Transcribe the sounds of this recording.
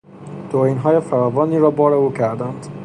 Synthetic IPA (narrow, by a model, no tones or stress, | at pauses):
d̪̥oiːnɦɒːjefæɾɒːvɒːniːɾɒːbɒːɾeuːcʰæɾd̪ænd̪̥